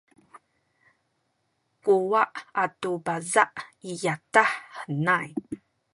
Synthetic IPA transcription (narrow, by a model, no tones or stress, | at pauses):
kuwaʔatubazaʔijataħːənaj